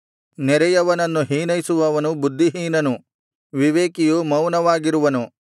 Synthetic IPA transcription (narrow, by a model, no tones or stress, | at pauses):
nɛɾɛjɐʋɐnɐnːuɦiːnɐjsuʋɐʋɐnubud̪ʱːiɦiːnɐnu | ʋiʋeːkijumɐwnɐʋaːɡiɾuʋɐnu